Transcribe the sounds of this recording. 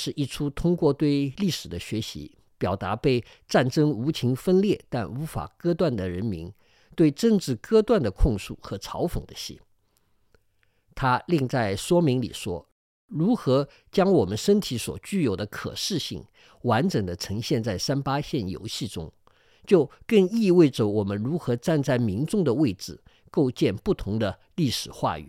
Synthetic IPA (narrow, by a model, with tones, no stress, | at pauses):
ʂɻ̩˥˧ʔi˥˩ʈ͡ʂʰu˥t̪ʰʊ˥ŋkwɔ˥˧t̪we˥˧ɪli˥˩ʂɻ̩˨˩d̪ə˦ɕɥɛ˧˥ɕḭ˧˥ | pjɑ˨˩ʊt̪a̰˧˥pe˥˧ɪ | ʈ͡ʂa˥˩nʈ͡ʂɤ˥ŋu˧˥t͡ɕʰi˧˥ŋfə˥nljɛ˥˩t̪a˥˩nu˧˥fa̰˨˩kɤ˥t̪wa˥˩nd̪ə˩ɻə˧˥nmḭ˧˥n | t̪we˥˧ɪʈ͡ʂɤ˥˧ŋʈ͡ʂɻ̩˥˩kɤ˥t̪wa˥˩nd̪ə˩kʰʊ˥˧ŋʂu˥˩xɤ˧˥ʈ͡ʂʰɑ˧˥ʊfɤ̰˨˩ŋd̪ə˦ɕḭ˥˩ | t̪ʰa˥li˥˧ŋt͡sa˥˩ɪʂwɔ˥mi˧˥ŋlḭ˨˩ʂwɔ̰˥ | ɻu˧˥xɤ˧˥ | t͡ɕjɑ˥ŋwɔ˨˩mə˦nʂə˥nt̪ʰi˧˥swɔ̰˨˩t͡ɕy˥˩jo˨˩ʊd̪ə˦kʰɤ̰˨˩ʂɻ̩˥˧ɕḭ˥˩ŋ | wa˧˥nʈ͡ʂə˨˩ŋd̪ə˦ʈ͡ʂʰɤ˧˥ŋɕjɛ˥˧nt͡sa˥˩ɪsa˥npa˥ɕjɛ˥˩njo̰˧˥ʊɕi˥˩ʈ͡ʂʊ̰˥ŋ | t͡ɕjo˥˧ʊkɤ˥˧ŋi˥˧we˥˩ɪʈ͡ʂə˨˩wɔ˨˩mə˦nɻu˧˥xɤ˧˥ʈ͡ʂa˥˧nt͡sa˥˩ɪmi˧˥nʈ͡ʂʊ˥˩ŋd̪ə˩we˥˩ɪʈ͡ʂɻ̩˧˩ | ko˥˧ʊt͡ɕjɛ˥˧npu˥˩t̪ʰʊ˧˥ŋd̪ə˧ | li˥˩ʂɻ̩˨˩xwa̰˥˩y̰˨˦